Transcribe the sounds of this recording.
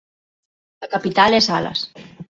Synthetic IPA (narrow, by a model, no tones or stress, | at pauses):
lakapit̪alesala̰s